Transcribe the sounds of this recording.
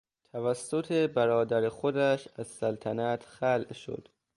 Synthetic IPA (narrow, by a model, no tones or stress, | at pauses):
t̪ʰævæsːot̪ʰebæɾɒːd̪æɾexod̪æʃæzsælt̪ʰænæt̪ʰxælʔʃo̰d̪̥